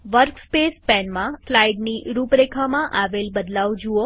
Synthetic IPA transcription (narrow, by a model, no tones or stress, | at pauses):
ʋəɾkspespɛnmãslajɖniɾupɾekʰamãʔaʋelbəd̪laʋd͡ʒuo